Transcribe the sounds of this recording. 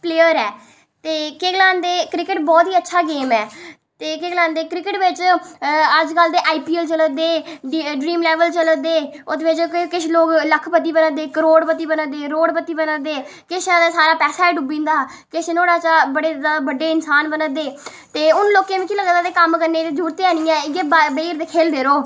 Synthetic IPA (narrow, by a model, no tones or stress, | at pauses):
pleːjəɾɛː | t̪eːkeːɡlãːnd̪eːkɾɪkəʈbɔːt̪ɦiːətːʃʰaːɡeːmɛː | t̪eːkeːɡlãːnd̪eːkɾɪkəʈʋɪt͡ʃ | əd͡ʒkəld̪eːʔaːiːpiːəlt͡ʃələd̪eːɖɾiːmlɛːʋəlt͡ʃələd̪eːod̪eːʋɪt͡ʃkɪt͡ʃʰloːkləkʰpət̪ːiːbənəd̪eːkəɾoːɽpət̪iːbənəd̪eːɾoːɽpət̪ːiːbənəd̪eː | kɪt͡ʃãːd̪aːsaːɾaːpɛːsaːɛːɖubĩːnd̪aː | kɪt͡ʃʰnoːɽaːt͡ʃaːbəɽeːd̪abəɖeːɪnsaːnbənəd̪eː | t̪eːʊnloːkːeːmĩːkiːləɡnd̪aːt̪eːkəmkəɾneːt̪eːd͡ʒuːɾt̪eaːniːãːɪɡeːbbeːɾd̪eːkʰeːld̪eːɾoː